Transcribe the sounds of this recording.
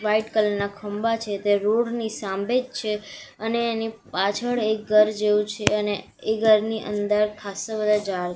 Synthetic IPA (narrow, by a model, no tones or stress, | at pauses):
ʋaiʈkələɾnakʰəmbat͡ʃʰet̪eɾoɾnisãmbed͡ʒt͡ʃʰeəneːnipat͡ʃʰəɭek̚ɡəɾd͡ʒeũt͡ʃʰeəne | eɡəɾniʔə̰nd̪əɾkʰasəbəd̪ʱad͡ʒaɾ